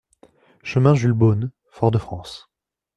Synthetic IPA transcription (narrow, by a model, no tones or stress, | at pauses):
ʃəmɛ̃ʒylbon | fɔʁd̪əfχɑ̃s